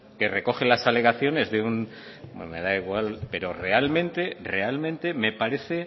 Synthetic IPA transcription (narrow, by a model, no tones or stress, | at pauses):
kere̞ko̞χelasale̞ɣaθjo̞ne̞zðeun | memeðaiɣwalpe̞ɾo̞re̞almẽnt̪e̞re̞almẽnt̪e̞me̞paɾe̞θe̞